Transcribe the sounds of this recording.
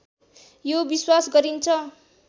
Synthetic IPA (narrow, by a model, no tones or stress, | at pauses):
jobiswasɡʌɾint͡sʰʌ